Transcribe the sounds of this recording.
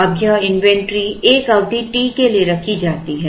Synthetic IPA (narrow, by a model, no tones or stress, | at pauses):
ɐbʱjaɪ̃nʋɛ̃ɳʈɾieːkɐʋd̪ʱiʈiːkelieɾɐkʰid͡ʒaːt̪iɦɛː